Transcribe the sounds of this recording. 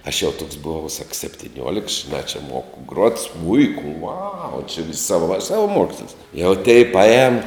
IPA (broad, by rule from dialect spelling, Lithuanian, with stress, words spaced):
ɐʃ jɛʊ toːks bʊˈʋɐʊ sɐk sʲɛpʲtʲɪˈnʲuɔlʲɪks ʒʲɪˈnɑː t͡ʃʲɛ ˈmoːkʊ ɡruɔt ˈsmʊɪkʊ ʊɐʊ t͡ʃʲɪ ʋʲɪsʲ ˈsɑːʋɐ sɐʋɐˈmuɔksʲlʲɪs jɛʊ tʲɛɪ pɐˈɛːn